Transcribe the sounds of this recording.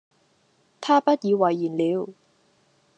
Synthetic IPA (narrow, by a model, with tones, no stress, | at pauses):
t̪ʰaː˥pɐ˥t̚jiː˨˧wɐ˨˩jːiː˨˩nliː˨˧˥w